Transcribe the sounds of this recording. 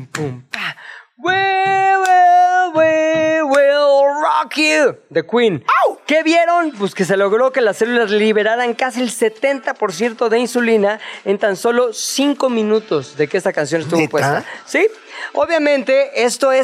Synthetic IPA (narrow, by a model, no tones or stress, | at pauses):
pumpawwewewewerakud̪e̞kwinke̞βje̞ɾo̞np̬weske̞s̬e̞lo̞ɣɾo̞ke̞lase̞lulazliβe̞ɾaɾaŋkasielse̞t̪e̞nt̪apo̞ɾs̬je̞ɾt̪o̞ðe̞insulinae̞nt̪anso̞lo̞siŋko̞mĩnut̪o̞zðe̞keest̪akans̬jo̞nest̪uβopwest̪asio̞βjamẽ̞nt̪e̞ʔe̞st̪o̞e